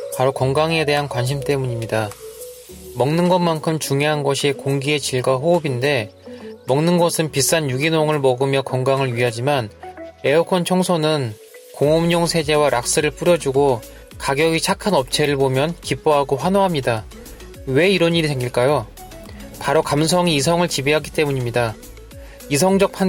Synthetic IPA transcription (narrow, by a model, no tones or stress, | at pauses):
paɾokʌŋɡaŋe̞de̞ɦankwanɕʰimt͈e̞muɲimɲida | mʌŋnɯnɡʌnmankʰɯmt͡ɕuŋjoɦanɡʌɕʰikoŋɡie̞t͡ɕiɭɡwaɦoːbinde̞mʌŋnɯnɡʌsʰɯnpis͈anjuɡinoŋɯɭmʌɡɯmjʌkʌŋɡaŋɯɭɥiɦad͡ʑimanɾe̞okʰʌnt͡ɕʰʌŋsʰonɯn | koŋomɲoŋsʰe̞d͡ʑe̞waɾʔak̚s͈ɯɾɯɭp͈uɾjʌd͡ʑuɡo | kaɡjʌɡit͡ɕʰakʰanʌp̚t͡ɕʰe̞ɾɯɭbomjʌnkip͈oɦaɡoɸwanoɦamɲida | we̞iɾʌɲiɾiteŋɡiɭk͈ajo | paɾokams̬ʰʌŋiːsʰʌŋɯɭt͡ɕibiɦaɡit͈e̞muɲimɲida | is̬ʰʌŋd͡ʑʌk̚pʰan